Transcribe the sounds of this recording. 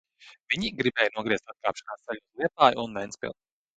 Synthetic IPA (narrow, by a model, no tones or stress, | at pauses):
vʲiɲiɡɾibɛːjnuɔɡɾiɛst̪at̪̚kaːpʃnaːsajʲuslˠiɛt̪aːjunːɛnspʲḭlˠt̪